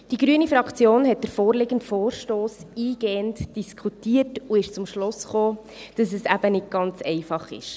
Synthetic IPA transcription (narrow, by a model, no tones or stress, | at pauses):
d̥iɡ̥ɾyənifɾɑkʰt͡sjoːnɦɛt̚d̥əɾfoːɾlɪɡəntfoːɾʃtoːsiːɡ̥ɛːəntd̥iskʰχutiːətuɪʃt͡sʊmʃlʊsχoː | d̥ɑsɛsæb̥ənɪt̚ɡ̥ɑnt͡sɛɪfɑχɪ̰ʃ